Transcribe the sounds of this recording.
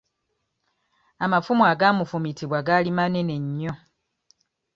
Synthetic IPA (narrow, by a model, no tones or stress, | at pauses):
amafumwaːɡaːmufumitiβwaɡalimane̞ne̞ɲːo̞